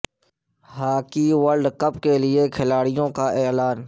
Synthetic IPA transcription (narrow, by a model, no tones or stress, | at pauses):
ɦaːkiʋəlɖkəp̚kelɪekʰɪlaːɽɪjõkaʔɛːlaːn